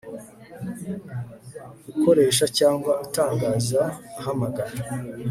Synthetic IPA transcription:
uko̞ɾe̞ːʃ̬acaːŋɡwaataːŋɡaːzahamaɡaɾa

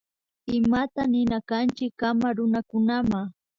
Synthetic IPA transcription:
ɪmat̪anɪnakant͡ʃɪkːamaɾʊnakʊnamaŋ

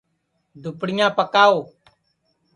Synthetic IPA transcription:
d̪ʱʊpɽɪjãːpəkaːoː

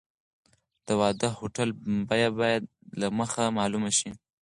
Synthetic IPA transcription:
d̪̥əwɑd̪əhoʈalbɑjabɑjad̪̚ | laməxamɑlumaʃi

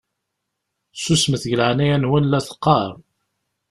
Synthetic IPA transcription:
susməθʝəlʕnæjænwənlæθə̥qːɑɾˤ

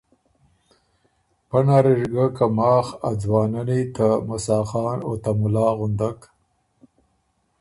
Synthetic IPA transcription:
panaɾiʐɡakamɑːxa̰d͡zwɑːnanit̪amʊsɑːxɑːnot̪amʊlɑːɣʊnd̪ak

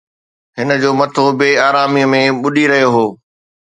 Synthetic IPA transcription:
ɦɪnə̆d͡ʑoːmɐt̪ʰobeːaːɾaːmiəmẽɓʊɗʱiɾɐɦijoɦoː

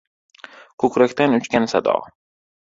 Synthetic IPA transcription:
kʰɵkʲɾakʲt̪anʊt͡ʃkʲansa̰d̪ɒ̰

